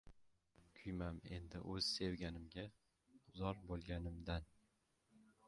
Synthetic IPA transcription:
kʲʰʊjmame̞̰nd̪ɪʔɵz̥se̞wɡʲanɪmɡʲa | zɒɾbolˠɡʲanɪmd̪an

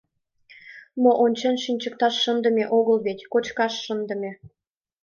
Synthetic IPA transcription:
moʔonʲt͡ɕɑnʃinʲt͡ɕək̚t̪ɑʃːənd̪ə̆meʔoɣəlβet̪ʲkot͡ɕkɑʃːənd̪ə̆mʲe

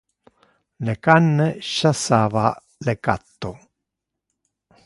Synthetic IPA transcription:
lekanːeʃasaːva | leka̰t̪ːo

